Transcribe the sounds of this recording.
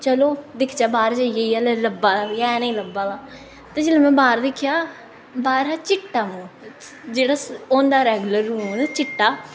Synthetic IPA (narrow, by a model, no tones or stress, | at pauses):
t͡ʃəloːd̪ɪkʰt͡ʃaːbaːɾd͡ʒaːijeiaːlləbːaːlaːjɛːnəĩːləbːaːlaː | t̪ẽːd͡ʒeːleːmɛ̃ːbaːɾd̪ɪkʰːjaː | baːɾaːt͡ʃɪʈːaːmõː | d͡ʒeːɽaːõːnd̪aːɾɛːɡləɾːuːmnt͡ʃɪʈːaː